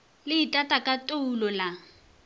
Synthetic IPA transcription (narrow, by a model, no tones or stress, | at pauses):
lɪitʼatʼakʼatʼoulɔla